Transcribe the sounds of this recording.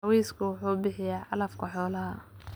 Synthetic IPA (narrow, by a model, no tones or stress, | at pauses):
ɑwɛjskʰʊwʊħuːbɪħɪjaːʕɑlɐfkʰɐħɔːlɐɦɐ